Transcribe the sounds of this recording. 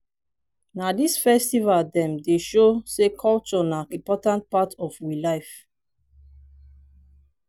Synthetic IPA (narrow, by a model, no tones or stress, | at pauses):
nadisfɛstivaldɛ̃mdeʃosekʰɔlt͡ʃɔnaĩmpɔtãnt̚patʰɔfwilaɪf